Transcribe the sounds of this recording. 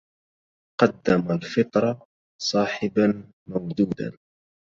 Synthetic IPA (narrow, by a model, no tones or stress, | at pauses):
qɑd̪ːamalfɪt̪ˤɾˤɑ | sˤɑːħɪban | mawd̪uːd̪a̰n